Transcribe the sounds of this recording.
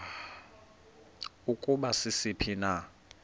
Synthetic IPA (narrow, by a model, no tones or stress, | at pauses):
ukʼuɓasɪsipʰina